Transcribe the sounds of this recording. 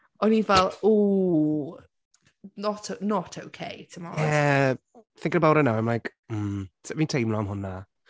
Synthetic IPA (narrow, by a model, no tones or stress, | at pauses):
ɔnivɛlˠu | nɔtʰonɔtʰowkʰḛjtʰəmɔɛ | θɪ̃ŋkəɾəbawɾənawãjmlajk | m̩sɛvintʰejmlˠɔamɦʊnːa